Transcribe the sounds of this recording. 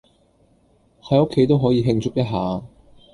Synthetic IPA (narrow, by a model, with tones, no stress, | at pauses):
hɐ˨˥jʊ˥kʰːe˨˥jt̪̬o˥wɦɔː˨˥jiː˨˧ɦɪ˧ŋt͡sʰʊ˥k̚jɐ˥t̚ɦaː˨˧